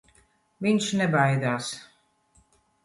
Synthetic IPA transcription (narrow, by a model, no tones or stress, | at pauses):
viɲʲʃnɛbajd̪aːs